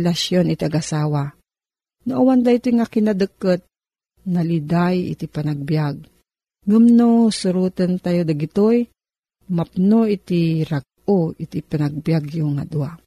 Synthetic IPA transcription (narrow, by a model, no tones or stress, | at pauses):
lasjonɪt̪iaɡʔasaːwa | noʔawand̪ait̪ojŋakinad̪əkːət̪̚ | nalid̪ajɪ̰t̪ipanaɡ̚bjaɡ̚ | ŋəmnosʊɾut̪ənt̪ajod̪aɡɪt̪oj | map̚noʔit̪iɾaɡ̚oʔɪt̪ipanaɡ̚bjaɡjʊŋa̰d̪ua